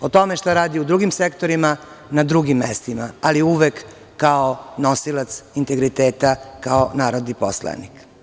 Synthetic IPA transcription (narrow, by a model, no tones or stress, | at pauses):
ot̪o̞meʃt̪aɾaːd̪iud̪ɾuɡimsekt̪o̞ɾima | nad̪ɾuɡimːest̪imaaliuʋekː | aono̞silat̪sint̪e̞ɡɾit̪eːt̪akaonaːɾod̪niposla̰nḭk